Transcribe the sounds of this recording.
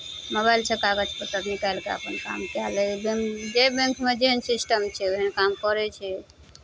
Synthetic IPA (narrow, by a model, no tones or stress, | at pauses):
mobajlt͡ʃʰekaɡəd͡ʒpət̪əknikalkeə̰pənka̰mkalɛbeŋd͡ʒebẽŋkmed͡ʒeɦənsisʈəmt͡ʃʰɛeɦənkamkɔɾɛt͡ʃʰɛ